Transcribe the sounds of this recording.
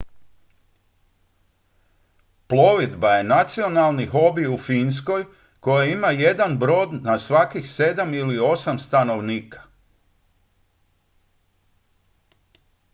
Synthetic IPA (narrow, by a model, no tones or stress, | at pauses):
plˠo̞ʋid̪baje̞nat̪sio̞nalˠnixo̞biufins̬ko̞j | ko̞jaimaje̞d̪anbɾo̞ːd̪nasʋakixse̞d̪amilio̞samst̪ano̞ʋniːkḁ